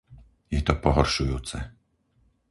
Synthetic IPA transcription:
jɛt̪ɔpɔɦɔrʃujut̪sɛ̰

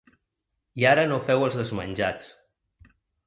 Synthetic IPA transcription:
iaɾənofɛwəlˠzðəzmə̰nʲʒat͡s

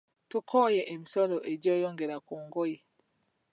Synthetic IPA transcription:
tukʰɔjɛʔemisɔlɔʔeɟɔjɔŋɡɛɾakuŋɡɔji

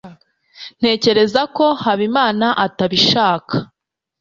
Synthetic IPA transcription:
n̥e̞ːce̞ɾe̞zako̞haβimaːnaʔataβiʃaːkʰḁ

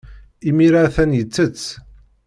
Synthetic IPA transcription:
imiɾaθænjət͡sːət͡sː

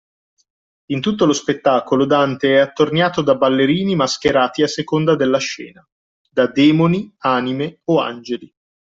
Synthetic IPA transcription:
int̪ut̪ːolospet̪ːaːkolod̪ant̪eɛat̪ːornjaːt̪od̪abalːeɾiːnimask̟eɾaːt̪iasːekond̪ad̪elːaʃɛ̰ːna | d̪ad̪ɛːmoniaːnimeoa̰nd͡ʒeli

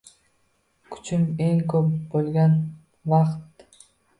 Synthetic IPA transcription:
kʰy̥t͡ʃymeŋkʰøpbolɡɑn | vɑqt̪

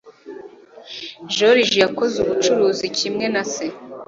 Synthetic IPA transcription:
ʒoɾiʒijakozuβut͡ʃuɾuːzicimŋe̞nase

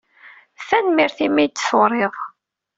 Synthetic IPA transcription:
θænmiɾθimæjt̪ːsoɾˤeðˤ

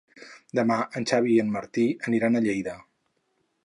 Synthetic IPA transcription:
d̪əmaʔənʲt͡ʃaβiənməɾt̪iəniɾanəʎejðə

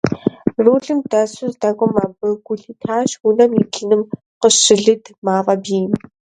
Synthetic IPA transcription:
ruːɮɨmdɐsʊzdɐkʷʼɔmaːbɨɡʷʊɮiːtʰaːʃwʊnɐmikʰɨnɨm | qəʃɪɮɨdmaːʁɐbiːm

